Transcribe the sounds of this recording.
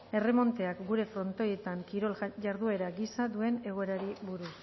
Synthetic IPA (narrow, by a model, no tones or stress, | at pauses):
e̞re̞mo̞nt̪e̞akɡuɾe̞fɾo̞nt̪o̞je̞t̪aŋkiɾo̞lʝaɾðue̞ɾaɡisaðue̞ne̞ɣ̞o̞e̞ɾaɾiβuɾus